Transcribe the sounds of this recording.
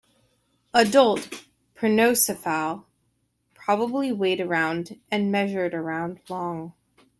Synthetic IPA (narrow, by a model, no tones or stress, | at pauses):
ədʌlˠt | pʰɹ̥ɨnoʊsɨfalˠ | pʰɹ̥ɑbəbliweɪɾə˞ãʊ̃ndɨ̃nmɛʒə˞ɾə˞ãʊ̃ndlɔ̃ŋ